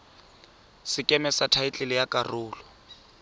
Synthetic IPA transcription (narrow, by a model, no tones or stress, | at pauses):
sɪkʼɛmɛsatʰaɪt͡ɬʼɪlɪjakʼarʊːlɔ